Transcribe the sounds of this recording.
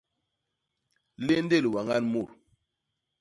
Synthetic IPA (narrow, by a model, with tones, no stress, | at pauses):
le˦nde˦˨lwa˨ŋa˦nmu˦˨ɾ